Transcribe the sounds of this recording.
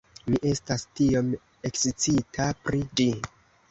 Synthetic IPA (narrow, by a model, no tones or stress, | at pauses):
miʔe̞stastio̞m | e̞ksit͡sitʰapɾid͡ʒi